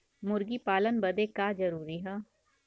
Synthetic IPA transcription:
mʊɾɡiːpaːlənbəd̪ekaːd͡ʒəɾuːɾiɦɛ̃ː

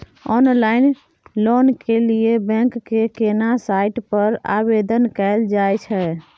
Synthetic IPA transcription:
ɔnlaɪn | lonkeliebɛ̃ŋkːekenasaiʈpəɾa̰bed̪ənkɛɪld͡ʒajt͡ʃʰɛ

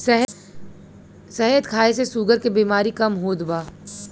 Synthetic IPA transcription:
ɦ | sɐɦəd̪kʰaːesesuːɡəɾkebiːmaːɾikɐmɦoːd̪baː

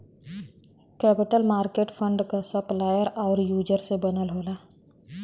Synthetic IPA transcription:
kɛːpɪʈəlmaːɾkeːʈpʰə̃ɳɖkasəplaːjəɾɔːɾjuːd͡ʒəɾsebənəlɦoːlaː

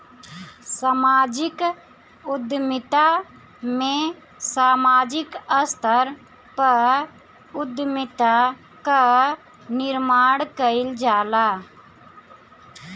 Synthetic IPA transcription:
samaːd͡ʒɪk | ʊd̪mɪt̪a | mẽ | saːmaːd͡ʒɪkəst̪ʰəɾ | pə | ʊd̪mɪt̪a | ka | nɪɾmaːɽkəɪld͡ʒaːlaː

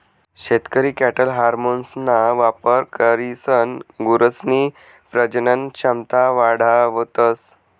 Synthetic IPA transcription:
ɕet̪kəɾiːkæʈəlɦaɾmonsnaʋapəɾkəɾisənɡuɾəsni | pɾəd͡ʑnənɕamt̪aʋaɽ̤aʋət̪əs

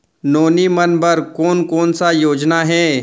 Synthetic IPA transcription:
noːnimɐnbɐɾkɔːnkɔːnsajoːd͡ʒnaɦɛː

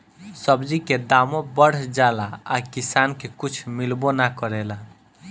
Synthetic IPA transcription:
səbd͡ʒiked̪amõbəɽ̤d͡ʒalaakisankekut͡ʃʰmilbonakəɾɛla

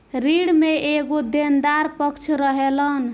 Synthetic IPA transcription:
ɾiɽmeeɡod̪end̪aɾpəkt͡ʃʰɾəɦelən

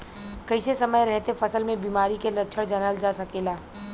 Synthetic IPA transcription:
kəɪsesəməjɾɛɦt̪efʰɐsəlmẽbiːmaːɾikelətːt͡ʃʰəɽd͡ʒənəld͡ʒasɐkeːlaː

